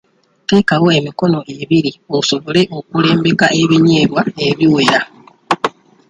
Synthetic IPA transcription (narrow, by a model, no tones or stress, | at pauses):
te̞ːkawo̞e̞miko̞no̞ʔe̞βiɾioso̞βoleʔo̞kule̞ːmbe̞kaʔe̞βiɲeːβwaeβjiwe̞ɾa